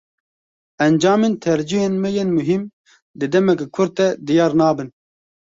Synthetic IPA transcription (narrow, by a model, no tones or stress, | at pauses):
ɛnd͡ʒɑːmeːnt̪ʰɛɾd͡ʒiɦeːnmɛjenmʊɦim | d̪ɨd̪ɛmɛkkʰʊɾd̪̚t̪ɛd̪ijɑːɾnɑːbɨn